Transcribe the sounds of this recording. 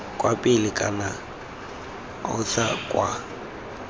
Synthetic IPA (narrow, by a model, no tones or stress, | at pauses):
kʼwapʼɪlɪkʼa̰na | ʊ̰sakʼwa